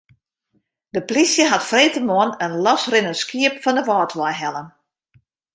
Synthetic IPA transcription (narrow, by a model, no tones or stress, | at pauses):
dəplisjəɦatfreːtəmɔənənlɔsrɪnəskiəpfɔndəʋɔːtʋɔjɦɛlən